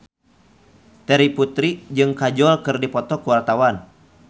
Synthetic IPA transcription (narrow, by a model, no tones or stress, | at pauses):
t̪ɛɾiput̪ɾid͡ʒɨŋkad͡ʒɔlkɨrdipɔt̪ɔkuwart̪awan